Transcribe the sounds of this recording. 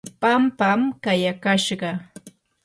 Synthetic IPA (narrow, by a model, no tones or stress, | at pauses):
pampamkajakaʃɢɑ